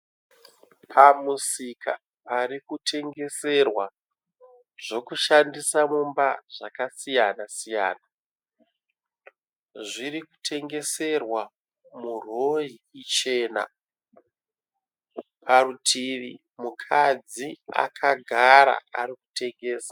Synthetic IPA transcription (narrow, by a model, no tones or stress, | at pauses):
pʰamusikʰa | parikutʰe̞ŋɡe̞se̞rwa | ʐ̥o̞kuʃandisamumbaʐakasijanasija̰ːna | ʐiɾiku̥tʰe̞ŋɡe̞se̞rwa | muro̞jiit͡ʃe̞ːna̰ | pʰaɾutʰirḭ | mukʰad͡zia̰kʰaɡʱaɾa̰a̰ɾiku̥te̞ŋɡe̞ːsa